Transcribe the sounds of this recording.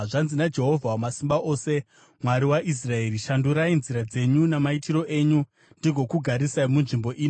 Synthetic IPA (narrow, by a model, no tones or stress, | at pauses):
ʐanzinad͡ʒe̞ɦo̞vʱawamasimbaʔo̞ːse̞ | mwaɾiwaʔis̬rae̞ɾiʃanduɾainziɾad͡ze̞ɲunamaitiɾo̞ʔe̞ːɲu | ndiɡʱo̞kuɡʱaɾisaimunʐimbo̞ʔiːno